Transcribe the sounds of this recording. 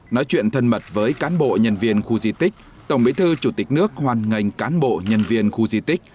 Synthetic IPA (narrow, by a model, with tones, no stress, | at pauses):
nɔ˨˦jt͡ɕwḭ˧˨ənt̪ʰə˧nmə˨˩t̚vəː˨˦jkaː˨˦nɓo̰˧˨ɲə˧nvi˧ənxu˧zi˧t̪ï˦˥k̟̚ | t̪ə˧˩wŋ͡mɓḭ˨˥t̪ʰɨ˧t͡ɕu˧˩t̪ï˨˩k̟̚nɨ˦˥ək̚hwaː˨˩nŋa˨˩jŋ̟kaː˨˦nɓo̰˧˨ɲə˧nvi˧ənxu˧zi˧t̪ï˦˥k̟̚